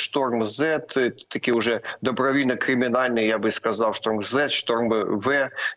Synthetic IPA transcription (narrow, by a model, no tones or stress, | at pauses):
ʂt̪ormzɛt̪t̪ɐkʲijʊʐɛd̪ɐbɾɐvʲinɐkɾʲɪmʲɪnalʲnɨjjabɨskazawʂt̪ormzɛt̪ʂt̪ormɨvɛ